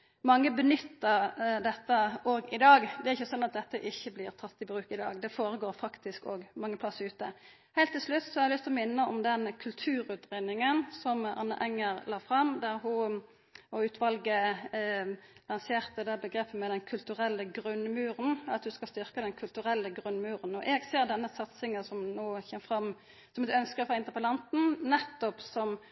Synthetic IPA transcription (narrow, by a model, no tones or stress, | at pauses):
mɑŋːəbənʏt̪ːəʁd̪ɛt̪ːəoːɡɪd̪ɑːɡd̪ɛæɾɪçːəsɔnːɑt̪̚d̪ɛt̪ːəʔɪçːəblɪʁt̪ʰɑt̪ːɪbʁʉːkɪd̪ɑ̰ːɡd̪ɛfoːɾəɡoːɾfɑkt̪ɪskoːɡmɑŋːəpʰlɑsːɾʉːt̪ə | hɛɪlt̪ːɪlʂlʉt̪ːsɔhɑɾɛlʏst̪lɔmɪnːəɔmd̪ɛnkʰʉlt̪ʰʉːɾʉːt̪ʁɛnɪŋənsɔmʔɑ̰nːə̰ʔɛŋːəɾlɑːfʁɑmd̪æʁɦʊ | ɔʉːt̪ʰʋɑlɡə | lɑnseːʁt̪əd̪ɛːbəɡʁeːpʰːəmɛd̪ɛnkʰʉlt̪ʉʁɛlːəɡɾʉnmʉːɾənɑt̪hʉskɑlst̪ʏʁkəd̪ɛnkʰʉlt̪ʉʁɛlːəɡʁʉnmʉːʁənɔʔɛːɡseːʁd̪ɛnːəsɑt̪sɪŋəsɔmnoːçɛməfʁɑm | sɔmɛt̪œnskəfɔʁɪnt̪əʁpɛlɑnt̪n̩nɛt̪ːɔpsɔm